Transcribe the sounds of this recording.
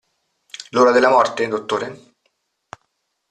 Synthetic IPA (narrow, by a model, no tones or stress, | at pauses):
loːɾad̪elːamɔrt̪ed̪ot̪ːoːɾe